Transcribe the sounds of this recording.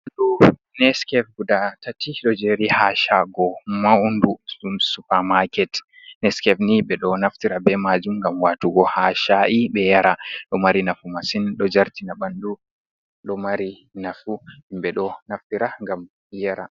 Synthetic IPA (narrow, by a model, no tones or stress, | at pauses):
ɗu | nɛskɛfɡudatatiɗɔd͡ʒeɾihaʃaɡɔmaunduumsupaɾmakɛt | nɛskɛfniɓɛɗɔnaftiɾabɛmad͡ʒumŋɡamwaːtuɡɔhaʃaʔibɛjaɾaɗɔmaɾinafumasinɗɔd͡ʒaɾtinabandu | ɗɔmaɾi | nafuimɓɛɗɔnaftiɾaŋɡam | jaɾa̰